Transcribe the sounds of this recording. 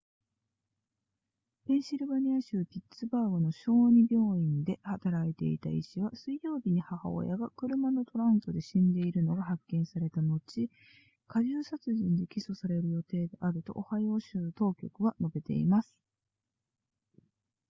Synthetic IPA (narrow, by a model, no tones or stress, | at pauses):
bẽ̞ɰ̃ɕiɾɯ̟baɲ̟iaɕɨːpʲitt͡sɨbaːɡono̞ɕo̞ːɲ̟ibʲo̞ːĩnd̪e̞hat̪aɾait̪e̞̰ḭt̪a̰ḭɕiβasɨijo̞ːbʲiɲ̟ihaha̰o̰jaɡakɯ̟ɾɯ̟mano̞t̪o̞ɾãɯ̃nt̪o̞d̪e̞ɕĩnd̪e̞iɾɯ̟no̞ɡahakːẽ̞ɰ̃saɾe̞t̪ano̞t͡ɕi | kaʑɨːsat͡sɨʑĩnd̪ekʲiso̞saɾe̞ɾɯ̟jo̞t̪e̞ːd̪eʔaɾɯ̟t̪o̞̰ʔohajoɕɨːt̪o̞ːkʲo̞kɯ̟βano̞be̞t̪e̞̰imasɨ̥